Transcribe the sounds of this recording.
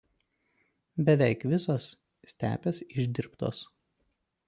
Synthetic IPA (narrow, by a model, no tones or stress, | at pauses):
bʲɛʋʲɛɪkʋʲɪsoːs | sʲt̪ʲæ̰ːpʲeːsɪʒʲd̪ʲɪɾpt̪o̰ːs